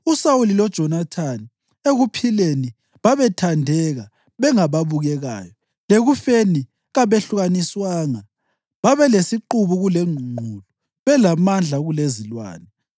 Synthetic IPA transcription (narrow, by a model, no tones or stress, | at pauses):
usawulilɔd̥ʒ̥ʱɔnatʰani | eɣupʰileni | βaβɛtʰandʱɛɣa | βɛŋaβaβuɣɛɣa̰ːjɔ | leɣufeni | ɣaβeɬuɣaniswaːŋa | βaβɛlesiǃuβuɣulɛŋʱuŋ͡ǃʱulu | βɛlamand͡ɮʱaɣulezilwa̰ːnɛ